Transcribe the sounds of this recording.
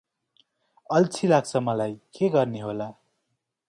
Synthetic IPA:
ʌlt͡sʰilaɡ̚t͡sʰʌmʌlajkeɡʌrneɦola

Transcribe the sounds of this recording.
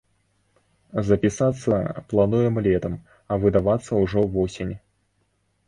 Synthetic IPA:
zɐpʲisat̪sːɐplˠanujɛmlʲɛt̪ɐm | ɐvɨd̪avat̪sːɐuʐɔvɔsʲinʲ

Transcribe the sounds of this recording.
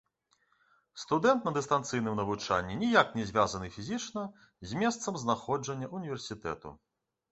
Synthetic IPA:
st̪ud̪ɛnt̪̚nɐd̪ɨst̪ant̪sɨjnɨmnɐvut͡ʂa̰nʲːinʲijaknʲɛzʲvʲazɐnɨfʲizʲit͡ʂnɐ | zʲmʲɛst̪sɐmznaxɔd͡ʐɐnʲːɐʔunʲivʲɛrsʲit̪ɛ̰t̪ṵ

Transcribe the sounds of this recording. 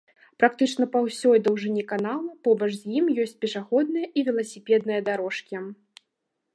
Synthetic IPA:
pɾakt̪ɨt͡ʂnɐpawsʲɔjd̪ɐwʐɨnʲikanalˠɐpɔbɐt͡ʂʂzʲjimjɔsʲt͡sʲpʲɛʂaɣɔd̪̚nɐjɐʔivʲɛlˠɐsʲipʲɛd̪nɨjɐd̪aɾɔʂkʲi

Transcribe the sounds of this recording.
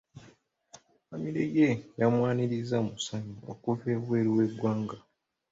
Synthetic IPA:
amiɾejejamwaːniɾizamusaɲuo̰kufeβwe̞ːɾiwe̞ɡwaːŋɡa

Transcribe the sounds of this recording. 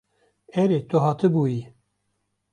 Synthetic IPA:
ɛɾet̪oɦɑːt̪ɨbuːji

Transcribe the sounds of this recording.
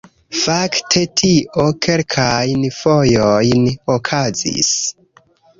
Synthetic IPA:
faktʰe̞tʰiʔo̞kʰe̞lkʰajnfo̞jojnokʰazḭs

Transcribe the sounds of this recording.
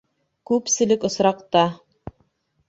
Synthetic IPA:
kʉpsɘ̆lɘkŏsɾɑqt̪ɑ

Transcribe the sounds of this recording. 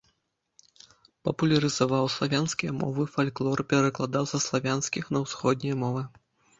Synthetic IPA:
pɐpulʲɐɾɨzavawslˠavʲanskʲijɐmɔ̰vɨfalʲklˠɔrpʲɛɾɐklˠad̪awzɐslˠavʲanskʲixnɐwsxɔd̪ʲnʲijɐmɔvɨ

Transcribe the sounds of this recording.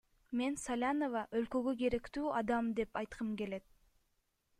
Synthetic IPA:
me̞nsalʲanovɑʔølkø̞ɡøɡe̞ɾe̞kt̪yːʔɑd̪ɑmd̪e̞pɑjt̪qʰɯmɡe̞le̞t̪̚

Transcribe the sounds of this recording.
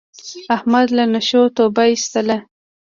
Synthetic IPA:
ahmad̪lanaʃot̪obaist̪əla

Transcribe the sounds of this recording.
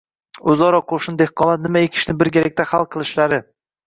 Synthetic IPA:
ozɒɾɒqʰoʃɪnd̪ehqʰɒnˠat̪̚nɪmaekʲʰɪ̥ʃnɪbɪɾɡʲeɾak̚ʲt̪ʰahalˠqʰɨlˠɪʃlaɾɪ

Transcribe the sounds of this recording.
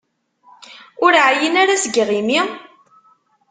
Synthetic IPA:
ʊɾʕjənaɾasəɡʁimi

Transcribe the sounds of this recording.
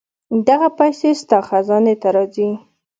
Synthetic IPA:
d̪aɣapajsest̪ɑxazɑnet̪aɾɑzi

